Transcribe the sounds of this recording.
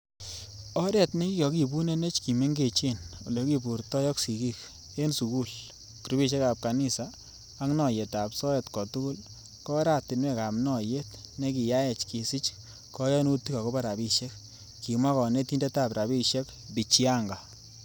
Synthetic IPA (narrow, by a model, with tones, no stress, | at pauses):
ɔ˦ɾɛ˨tne˦ki˦kɔ˨ki˨bu˦ne˦ne˦t͡ʃki˨me˦ŋɡe˨t͡ʃe˦no˨le˨ki˨bu˨ɾtɔ˦jɔ˦ksi˨ki˦k | e˦nsu˨ku˦˨l | ki˨ɾbi˦ʃɛ˦ka˨p̚ka˨ni˦sa˨ | a˦ŋnɔ˨je˨ta˨psɔ˦ɛ˨tkɔ˨tʊ˦kʊ˦l | kɔ˦ɾa˦˨tɪ˨nwɛ˦ka˨mnɔ˨je˦tne˦ki˨ja˦ɛ˨t͡ʃki˨si˦t͡ʃ | kɔ˦jɔ˦nu˦ti˦ka˨ko˦pa˦ɾa˨bi˦ʃɛ˦k̚ | ki˨ma˦kɔ˨ne˦ti˦nde˦ta˨pɾa˨bi˦ʃɛ˦k | bi˨t͡ʃi˦a˦ŋɡa˨